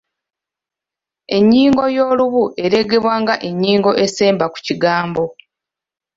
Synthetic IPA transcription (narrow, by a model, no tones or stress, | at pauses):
e̞ɲːiːŋɡo̞jo̞ːluβuʔe̞ɾe̞ɡe̞βwaːŋɡaʔe̞ɲːiːŋɡo̞ʔe̞se̞ːmbaku̥ciɡaːmbo̞